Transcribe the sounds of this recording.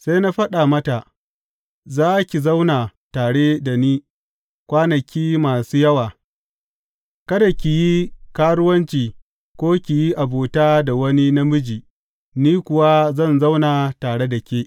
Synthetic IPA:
sa˦na˦ɸɐ˦ɗa˨mɐ˦ta˨ | zaː˦kʲi˨zɐ˦wnaː˨taː˨ɽeː˦da˨niː˦ | kʷaː˦nɐ˨kʲiː˦maː˨suː˦jɐ˦waː˨ | kɐ˦da˨kʲi˨ji˦kaː˦ɽʊ˦wɐ˦nt͡ʃiː˨ | kʷoː˦kʲi˨ji˦ʔa˨boː˨taː˦da˨wɐ˦ni˦na˦mʊ˦d͡ʒiː˨ | niː˦kʷʊ˨wa˦zɐ˦˨nza˦wnaː˨taː˨ɽe˦da˨kʲeː˦ʔ

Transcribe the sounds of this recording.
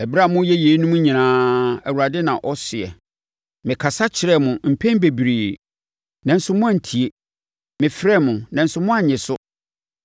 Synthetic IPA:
ɛ˨bɾa˦˨mʊ̃˦jɛ˦je˨˦nũ˦m˦ɲĩ˨nãː˦æ˨wu˨a˨dɪ˦nã̰˨ʔɔ˦sɪ˨ɛ̰˨ | mɪ̃˨kʰa˨sa˦t͡ɕʰɪ˨ɾɛ˦mʊ̃˨m̩˨pʰɛ̃˦n˦be˨bi˨ɾiː˨ | nɛ̃˨n̩˦sʊ˦mʊ̃˦ã˨n̩˨tʰi˨e˦ | mɪ̃˨fɾɛ˦˨mʊ̃˨nã˨n̩˦sʊ˦mʊ̃˦a˨ɲɪ̃˨sʊ˦

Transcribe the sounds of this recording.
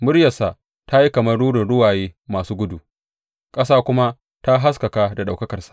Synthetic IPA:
mʊ˦ɾjɐ˨sa˨ | ta˦ji˦kɐ˨mɐ˦rɽuː˦ɽɪ˨nɽʊ˦waː˨jeː˦maː˨suː˦ɡʷʊ˦du˨ | kʼɐ˦saː˦kʷʊ˦ma˦ | ta˦ɦa˦s̬kɐ˨ka˦da˨ɗa˨wkɐ˦kɐ˨rsḁ˨ʔ

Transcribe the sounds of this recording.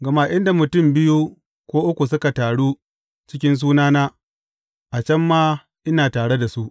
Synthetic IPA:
ɡɐ˨ma˦ʔɪ˦nda˨mʊ˨tʊ˦˨mbɪ˦ju˦ | kʷoː˦ʔʊ˦kʷu˨s̬ʊ˦ka˨taː˨ɽu˦ | t͡ʃɪ˦kʲɪ˦ns̬uː˦naː˦naː˦ | ʔa˨t͡ʃɐ˦mːaː˦ | ʔɪ˦naː˨taː˨ɽe˦da˨su˦ʔ

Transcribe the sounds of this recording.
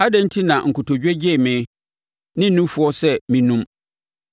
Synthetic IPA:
a˦dɛ̃˦n˦tʰi˦nã˨ʔŋ̩˨kʰʊ˨tʰo˨d͡ʑᶣɛ˦d͡ʑɪ˦˨mɪ̃˨˦ | nɪ̃˦n̩˦nũ˦fʊ˨˦ɔ˦sɛ˦mĩ˨nũ˦m

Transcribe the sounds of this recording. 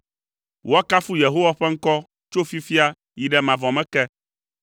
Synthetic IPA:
wo˦a˦ka˦fu˦je˨ɦo˦wa˦ɸɛ˦ŋ̩˦kɔ˦ | t͡ʃo˦fi˦fi˦a˦ | ji˨ɖɛ˨mã˨vɔ̃˨mɛ̃˦kɛ˦

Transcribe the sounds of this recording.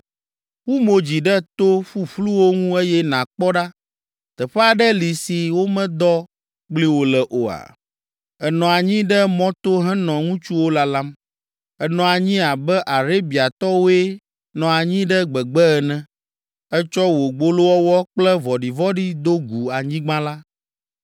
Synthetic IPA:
wu˦mo˨d͡ʑi˨ɖɛ˦t̪o˦ɸu˦ɸlu˦wo˦ŋũ˦e˦jɛ˦nã˨k͡pɔ˦ɖa˦ | t̪ɛ˨ɸɛ˦a˨ɖɛ˦li˨si˨wo˦mɛ̃˦d̪ɔ˦ | ɡ͡bli˦wo˦lɛ˨ʔo˨a̰˨ | ɛ˨nɔ̃˨a˨ɲĩ˦ɖɛ˦mɔ̃˦t̪o˦ɦɛ̃˦nɔ̃˨ŋũ˦t͡ʃu˦wo˦la˦la˦m | ɛ˨nɔ̃˨a˨ɲĩ˦a˨bɛ˦ʔa˨ɾe˦bi˨a˨t̪ɔ˦wo˦ɛ˦ | nɔ̃˨a˨ɲĩ˦ɖɛ˦ɡ͡bɛ˨ɡ͡bɛ˦ɛ˨nɛ̃˦ | ɛ˦t͡ʃɔ˦wo˨ɡ͡bo˦lo˦wɔ˦wɔ˦k͡plɛ˦vɔ˨ɖi˨vɔ˦ɖi˦d̪o˦ɡu˨a˨ɲĩ˦ɡ͡bã˦la˦

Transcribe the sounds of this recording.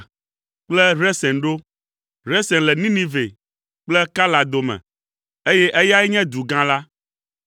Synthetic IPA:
k͡plɛ˦ɾɛ˦sɛ̃˨nɖo˦ | ɾɛ˦sɛ̃˨nlɛ˨nĩ˦nĩ˦ve˨ | k͡plɛ˦ka˦la˨d̪o˨mɛ̰̃˨ | e˦jɛ˦ʔɛ˦ja˦ɛ˦ɲɛ̃˦d̪u˨ɡã˦la˦

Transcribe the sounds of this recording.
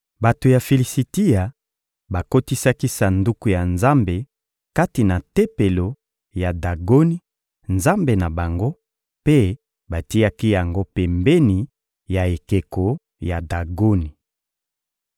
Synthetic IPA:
ba˨to˨ja˨fe˨li˨si˨ti˦ja˨ | ba˨ko˦ti˦sa˦ki˦sa˨ndu˦ku˨ja˨nza˦mbe˨ | ka˦ti˨na˨te˦pe˨lo˨ | ja˨da˨ɡo˦ni˦ | nza˦mbe˨na˨ba˨ŋɡo˦ | pe˦ | ba˨ti˦ja˦ki˦ja˨ŋɡo˦pɛ˨mbe˦ni˨ | ja˨e˨ke˨ko˨ | ja˨da˨ɡo˦ni˨

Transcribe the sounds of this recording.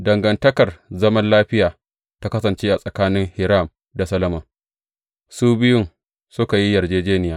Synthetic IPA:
dɐ˨ŋɡɐ˨ntɐ˦kɐ˨rzɐ˦mɐ˦nlaː˦ɸɪ˦jaː˨ | ta˦kɐ˦sɐ˨nt͡ʃeː˦ʔa˨sʼɐ˨kaː˦nɪ˦ŋhɪ˨ɾa˦˨m | da˨sɐ˦lɐ˦mɐ˨ŋ | suː˦bɪ˦jʊ˦n | sʊ˦ka˨ji˦jɐ˨rd͡ʒeː˦d͡ʒeː˦nɪ˨jaː˨˦

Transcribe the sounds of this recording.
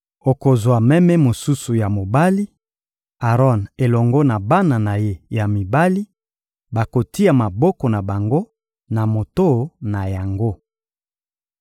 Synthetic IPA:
o˨ko˨zwa˨mɛ˦mɛ˦mo˨su˦su˨ja˨mo˨ba˦li˦ | a˨ʁɔ˦ne˨lɔ˨ŋɡɔ˦na˨ba˦na˨na˨je˦ja˨mi˨ba˦li˦ | ba˨ko˨ti˦a˨ma˨bɔ˦kɔ˨na˨ba˨ŋɡo˦ | na˨mo˨to˦na˨ja˨ŋɡo˦

